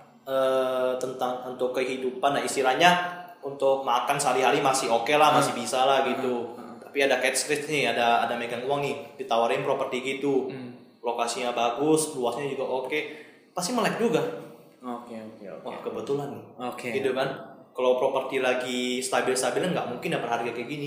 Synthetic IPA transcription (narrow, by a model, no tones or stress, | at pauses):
ət̪ənt̪aŋunt̪ʊkːəɦidupandaist̪ilahɲaunt̪ʊk̚makansəaliɦaɾimasɪhokelahmasɪhbisalahɡit̪ut̪ḁpiadakɛt̪̚skɾɪt̪̚nɪhadaːdamekanuwaŋnɪhdit̪awaɾɪnpɾopərt̪iɡit̪u | lokasiɲabaɡʊsluasɲad͡ʒuɡaʔoke | past̪iməlak̚d͡ʒuɡa | okeokḛkakəbət̪ulanːɪhokeɡit̪ukankalawpɾopərt̪ilaɡist̪abɪlst̪abɪlɲaŋɡaʔmuŋkɪndapərɦaɾɡakəɡini